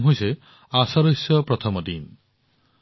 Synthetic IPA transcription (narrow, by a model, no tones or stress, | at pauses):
ɦojse | asɔɾosjɔpɾɔt̪ʰɔmɔd̪in